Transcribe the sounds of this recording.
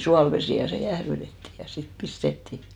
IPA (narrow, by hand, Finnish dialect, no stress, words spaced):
suɑlʋesiˑ jɑ se jæhrytetːi jɑ sit pistetːi